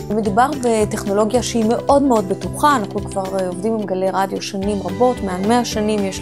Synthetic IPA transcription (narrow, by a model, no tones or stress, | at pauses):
me̞d̪ubaʁbete̞χno̞lo̞ɡjaʃeime̞ʔʔo̞dmeo̞dbe̞tuχaːnaχnukvaʁeovdimbemɡale̞jʁadjo̞ʃanimʁabo̞tmealme̞aʃanimjeʃ